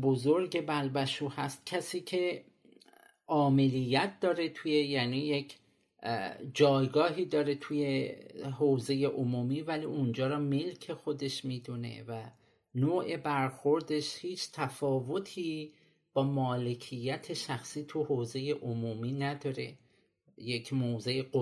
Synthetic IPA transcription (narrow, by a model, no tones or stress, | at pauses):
bo̞zo̞ɾɟe̞bælbæʃuːhæst̪̚cʰæsiːcʰe̞ | ʔɒːme̞lijːæt̪̚ʰd̪̥ɒːɾet̪ʰujejæːniːjecʰ | d͡ʒɒːjɡɒːɦiːd̪ɒːɾe̞t̪ʰuje̞ɦoːze̞jeʔomuːmiːvælḭund͡ʒɒːɾɒːme̞lcʰe̞xo̞d̪e̞ʃmiːd̪unḛvæ | noːʔe̞bæɾxo̞ɾd̪e̞ʃhiːt͡ʃʰt̪ʰæfɒːvo̞t̪ʰiː | b̥ɒːmɒːle̞cʰijːæt̪ʰe̞ʃæxsiːt̪ʰuhoːze̞jeʔomuːmiːnæd̪ɒːɾe̞̰ | jecʰmoːze̞jeo